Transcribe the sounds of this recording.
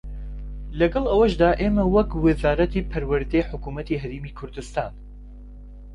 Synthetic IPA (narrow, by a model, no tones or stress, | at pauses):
lɐɡɐlˠɐwɐʃd̪aːʔeːmɐwɐkwɨzaːɾɐt̪ʰiːpʰɐɾwɨɾd̪ɛjħʊkuːmɐt̪iːɦɐɾeːmiːkʰʊɾd̪ɨst̪aːn